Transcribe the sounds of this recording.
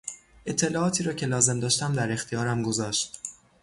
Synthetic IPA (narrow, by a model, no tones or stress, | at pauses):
ʔe̞t̪ʰːe̞lɒːɒːt̪ʰiːɾɒːcʰe̞lɒːze̞md̪ɒːʃt̪æmd̪æɾe̞xt̪ʰijɒːɾæmɡo̞zɒːʃt̪